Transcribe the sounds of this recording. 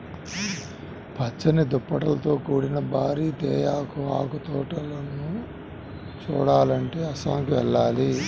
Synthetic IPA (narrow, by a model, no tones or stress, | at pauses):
pʰɐt͡ʃːɐnid̪upːɐʈɐlɐt̪o̞ːkuːɽinɐbʱaːɾiːt̪ɛːjaːkua̰ːkut̪ɔːʈɐlɐnːu | t͡ʃuːɽaːlɐɳʈeːɐsaːŋkuʋɛɭːaːli